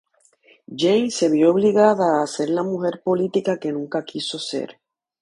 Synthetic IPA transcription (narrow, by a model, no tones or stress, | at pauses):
d͡ʒejnse̞βjooβ̞liɣaðaːse̞ɾlamuxe̞ɾpo̞lit̪ikake̞nũŋkakʰiso̞se̞̰ɾ